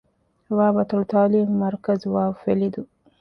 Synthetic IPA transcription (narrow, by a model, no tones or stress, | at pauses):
wabat̪ʊlt̪ɑlimːaɾkazwafelid̪u